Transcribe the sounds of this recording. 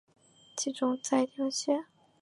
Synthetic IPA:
t͡ɕʰi˧˥ʈ͡ʂʊ˥ŋt͡sa˥˩ɪt̪jɑ˧˥ʊɕɛ˥˩

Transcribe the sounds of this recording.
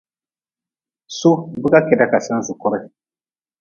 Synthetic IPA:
so˦bi˦ka˦kɛ˨da˦ka˨sã˦su˨kɔ˦ɾɔ˦

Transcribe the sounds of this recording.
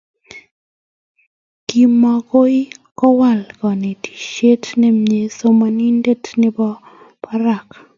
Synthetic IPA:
ki˨ma˨ko˦i˦kɔ˦wa˦˨lkɔ˨ne˨tʰi̥˨ʃe˦tnɛ˦me˨so˦ma˨ni˦nde˦tnɪ˦bɔ˦ | pʰa˦ɾa˨k

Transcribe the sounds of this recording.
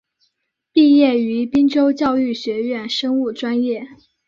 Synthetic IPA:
pi˥˧jɛ˥˩y˧˥pi˥ŋʈ͡ʂo˥ʊt͡ɕjɑ˥˧ʊy˥˩ɕɥɛ˧˥ɥɛ˥˩nʂɤ˥ŋu˥˩ʈ͡ʂwa˥njɛ˥˩

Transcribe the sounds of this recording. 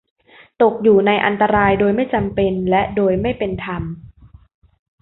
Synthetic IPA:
t̪o˨˩k̚juː˨˩na˧jʔa̰˧nt̪a˧ɾaː˧jdoː˧jma˥˩jt͡ɕa˧mpe˧nlɛ˦˥ʔdoː˧jma˥˩jpe˧nt̪ʰa˧m

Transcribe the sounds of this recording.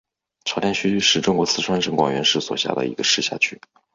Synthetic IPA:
ʈ͡ʂʰɑ˧˥t̪ʰɛ˧˥nɕy˥y˥˩ʂɻ̩˥˩ʈ͡ʂʊ˥ŋkwɔ˧˥t͡sʰɹ̩˥˩ʈ͡ʂʰwa˥nʈ͡ʂə˥˩ŋkwa̰˥˩ŋɥɛ˧˥nʂɻ̩˥˩swɔ̰˨˩ɕja̰˥˩d̪ə̰˩ḭ˧˥ɡə˧ʂɻ̩˥˧ɕja̰˥˩t͡ɕʰy˥˩

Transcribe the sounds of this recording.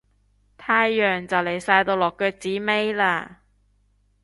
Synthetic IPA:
t̪ʰaː˧jːœː˨ŋt͡sɐ˨wle˨˩jsaː˧jt̪o˧wlɔː˨˩kːœː˧k̚t͡siː˨˥me˥jlaː˧

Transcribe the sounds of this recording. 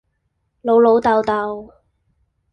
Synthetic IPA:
lo˨˧wlo˨˧wt̪ɐ˨wt̪ɐ˨w

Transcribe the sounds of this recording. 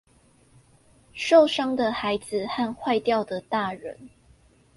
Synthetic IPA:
ʂo˥˨ʊʂɑ˥ŋd̪ə˨xa˧˥ɪd͡z̩˨xa˥˧nxwa˥˧ɪt̪jɑ˥˨ʊd̪ə˩t̪a˥˩ɻə̰˧˦n

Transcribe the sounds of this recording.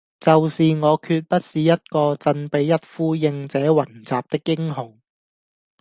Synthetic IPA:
t͡sɐ˨wsiː˨ŋɔː˨˧kʰyː˧t̚pɐ˥t̚siː˨jɐ˥t̚kɔː˧t͡sɐ˧npe˨˧jːɐ˥t̚fuː˥jɪ˧ŋt͡sɛː˨˥wɐ˨˩nt͡saː˨p̚t̪ɪ˥kːɪ˥ŋɦʊ˨˩ŋ

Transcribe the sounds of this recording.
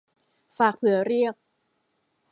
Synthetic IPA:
faː˨˩k̚pʰɯ˨˩˦ɐɾi˥˩ək̚

